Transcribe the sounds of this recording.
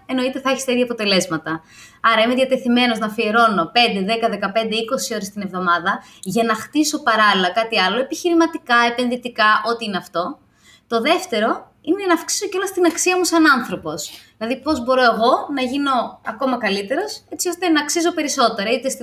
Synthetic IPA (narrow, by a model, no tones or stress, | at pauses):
e̞no̞it̪e̞θɐeçi̥st̪eðjɐpo̞t̪e̞le̞zmɐt̪ɐ | ɐɾɐimeðʝjɐt̪e̞θime̞no̞znɐfieɾo̞no̞pe̞nd̪e̞ðe̞kɐðe̞kɐpe̞nd̪eiko̞sio̞ɾe̞st̪ine̞vðo̞mɐðɐ | ʝɐnɐxt̪iso̞pɐɾɐlilɐkɐt̪iɐlo̞e̞piçiɾimɐt̪ikɐepe̞nðit̪ikɐʔo̞t̪iineɐft̪o̞ | t̪o̞ðe̞ft̪e̞ɾo̞ | inenɐːfksi̥so̞ceo̞lost̪inɐksiɐmusɐnɐnθɾo̞po̞sðinɐðipo̞zbo̞ɾo̞e̞ɣo̞nɐʝino̞ɐko̞mɐkɐlit̪e̞ɾo̞se̞t͡sio̞st̪enɐksiso̞pe̞ɾiso̞t̪e̞ɾɐit̪esi